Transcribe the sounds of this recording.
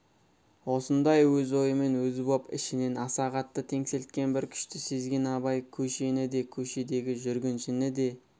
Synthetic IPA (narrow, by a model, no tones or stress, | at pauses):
wo̞sənd̪ɑjwɵzo̞jəme̞nwɵzɪbopɪ̰ʃɪne̞nɑsɑʁɑt̪ːət̪ʰe̞ŋse̞lt̪̚kʲe̞nbɪɾkʲʰʏ̥ʃt̪ɪse̞zɡʲe̞nɑβɑjkʲʰɵʃe̞nɪd̪e̞kʲʰɵʃe̞d̪e̞ɡʲɪʒʏɾɡʲɪnʃɪnɪd̪e̞